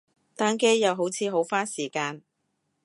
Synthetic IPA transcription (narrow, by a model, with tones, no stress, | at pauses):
t̪aː˥nke˥jːɐ˨˧wɦo˨˥wt͡sʰiː˨˧ɦo˨˥wfaː˥nsiː˨˩kaː˧n